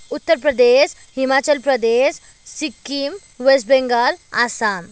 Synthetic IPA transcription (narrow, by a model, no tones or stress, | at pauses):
ut̪ːəɾpɾəd̪eɕ | himat͡ɕəlpɾəd̪es | sikːim | ʋes̬ʈbẽŋɡalasan